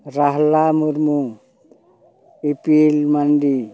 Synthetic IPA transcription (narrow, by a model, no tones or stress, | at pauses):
ɾaɦlamuɾmu | ipilmandi